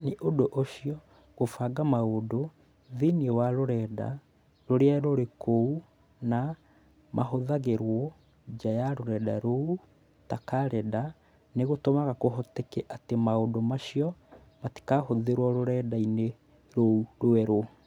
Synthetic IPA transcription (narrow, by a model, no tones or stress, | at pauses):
neʔodoʔoʃijɔ | ɣofaɡamaodo | ðiniewaɾoɾɛːda̰ | ɾoɾeaɾoɾekʰou | na | mʔaɦoðaɣeɾwɔ | d͡ʑajaɾoɾɛda̰ɾou | takaɾɛda | neɣotomaɣakoɦɔtɛkɛʔatemaodomaʃiɔ | mati̥kahoðeɾwɔɾoɾɛdaine | ɾouɾoɛɾo